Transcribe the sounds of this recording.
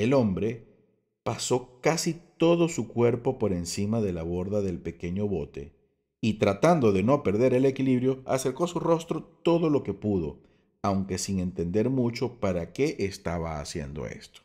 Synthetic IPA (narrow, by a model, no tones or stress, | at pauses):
e̞lo̞mbɾe̞ | paso̞kasit̪o̞ðo̞sukwe̞ɾpo̞po̞ɾe̞nsimaðe̞laβ̞o̞ɾðaðe̞lpe̞ke̞ɲo̞βo̞t̪e̞̰ | it̪ɾat̪and̪o̞ðe̞no̞pe̞ɾðe̞ɾe̞le̞kiliβɾjo̞a̰se̞ɾko̞suro̞st̪ɾo̞t̪o̞ðo̞lo̞ke̞puðo̞̰ | awŋke̞siŋe̞nt̪e̞nd̪e̞ɾmut͡ʃo̞paɾake̞ʔːst̪aβa̰ːsje̞̰nd̪o̞̰ḛst̪o̥